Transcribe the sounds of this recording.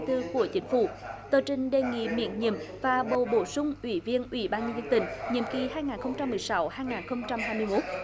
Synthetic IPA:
t̪ɨ˧ku˧˩ət͡ɕï˨˦ŋ̟fṵ˧˩t̪əː˨˩t͡ɕï˨˩ŋ̟ɗe˨˩ŋḭ˧˨mḭ˧˨ənɲḭ˧˨əmvaː˨˩ɓo̰˧˩ɓo˧˩sʊ˧ŋ͡mʔwi˧˩˦vi˧ənʔwḭ˧˩˦ɓaː˧nɲə˧zə˧nt̪ï˧˩ŋ̟ɲḭ˧˨əmki˨˩haː˧jŋaː˨˩nxə˧wŋ͡mt͡ɕa˧mːɨ˨˩əjsa˨˦whaː˧jŋaː˨˩nxə˧wŋ͡mt͡ɕa˧mɦaː˧jmɨ˧əjmo˦˥t̚

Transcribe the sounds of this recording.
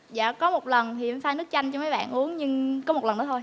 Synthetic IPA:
za̰ː˧˨kɔ˨˦mo˨˩t̚lə˨˩nhḭ˧˨ənfaː˧jnɨ˦˥ək̚t͡ɕa˧jŋt͡ɕɔ˧ma˨˦jɓa̰ː˧˨nʔu˨˦əŋɲɨ˧ŋkɔ˨˦mo˨˩t̚lə˨˩nɗɔ˨˦t̪ʰj

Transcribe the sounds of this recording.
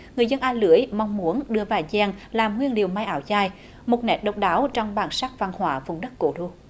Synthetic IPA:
ŋɨ˨˩əjzə˧nʔaː˧lɨ˧˩˦əjmɔ˧wŋ͡mmu˨˦ənɗɨ˧əvaː˨˩zɛ˧˩ŋlaː˨˩mŋwi˧ənli˨˩əwma˧jʔaː˨˩wzaː˧˩j | mo˨˩t̚nɛ˨˥t̚ɗə˨˩wk͡p̚ɗaː˨˦wt͡ɕɔ˧wŋ͡mɓaː˨˩nsaː˦˥k̚va˧˩ŋhwaː˧˩vʊ˨˧˩ŋ͡mɗə˦˥t̚ko˧˩ɗu˧

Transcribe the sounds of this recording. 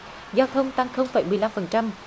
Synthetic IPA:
zaː˧wt̪ʰə˧wŋ͡mt̪a˧ŋxə˧wŋ͡mfaː˧˩˦jmɨ˨˩əjla˧mfə˨˩nt͡ɕa˧m

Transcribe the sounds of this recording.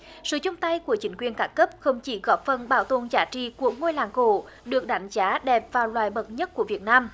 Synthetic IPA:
sɨ̰˧˨t͡ɕʊ˧ŋ͡mt̪a˧jku˧˩ət͡ɕï˨˦ŋ̟kwi˨˩ənkaː˧˦˥nkə˦˥p̚xə˧wŋ͡mt͡ɕi˧˩ɣɔ˧˦˥p̚fə˨˩nɓaː˧˩wt̪o˧˩nzaː˧˦t͡ɕḭ˧˨ku˧˩ək̚ŋo˧jla̰ː˧˩ŋko̰˧˩˨ | ɗɨ˨˩ək̚ɗa˨˦jŋ̟zaː˨˦ɗɛ˨˩p̚vaː˨˩wlwaː˨˩jɓə˨˩t̚ɲə˦˥t̚ku˧˩əvi˨˩ət̚naː˧m

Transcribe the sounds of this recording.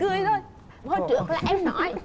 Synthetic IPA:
ɨ˧əjzʰo˧˩j | ɓo˧˩t͡ɕɨ̰˧˩˦əklaː˨˩ʔɛ˧mnɔ̰˧˩˥j

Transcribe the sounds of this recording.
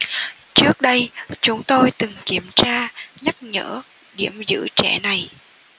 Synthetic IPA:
t͡ɕɨ˦˥ək̚ɗə˧jt͡ɕʊ˨˦ŋ͡mt̪o˧jt̪ɨ˨˩ŋki˧˩əmt͡ɕaː˧ɲa˦˥t̚ɲə̰ː˧˥ | ɗi˧˩əmzɨ̰˧˥t͡ɕɛ̰˧˩na˨˩j

